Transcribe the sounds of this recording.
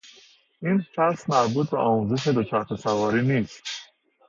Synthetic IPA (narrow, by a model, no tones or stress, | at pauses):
iːnfæsmæɾbuːt̪̚ʰbḛʔɒːmuzeʃ̬ed̪ot͡ʃʰæɾt̪esævɒːɾiːniːst̪